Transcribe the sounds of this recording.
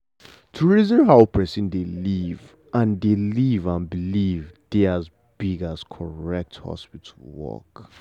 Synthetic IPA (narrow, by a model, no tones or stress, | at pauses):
tʰuɹizɔ̃nɦaʊpʰɛsĩndeliv | ʔãndelivãnbilivdeaz | biɡaskʰɔɹɛk̚thɔ̰spitʰəlwɔ̰k